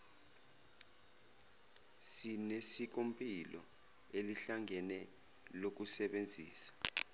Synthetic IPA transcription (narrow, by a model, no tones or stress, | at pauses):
sinesik̬ʼompʼilɔ̰ | eliɬaŋʱɛnɛ | lok̬usɛɓend͡zʱiːsḁ